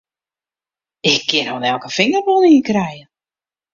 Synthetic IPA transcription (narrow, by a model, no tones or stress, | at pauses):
ɪkʰːɪnonɛlˠkəfɪŋərbolnikrɛjə